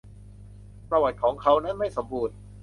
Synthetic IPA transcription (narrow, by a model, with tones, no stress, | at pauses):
pɾa˧wa˨˩t̪̚kʰɔː˩˦ŋkʰa˦wna˦˥nma˥˩jso˩˦mbuː˧n